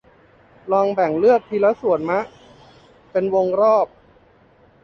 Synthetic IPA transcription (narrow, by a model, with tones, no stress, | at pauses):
lɔː˧ŋbɛ˨˩ŋlɯ˥˩ək̚t̪ʰiː˧la˦˥su˨˩˦ə˦nma˦˥ʔː | e˧nwo˧ŋɾɔː˥˩p̚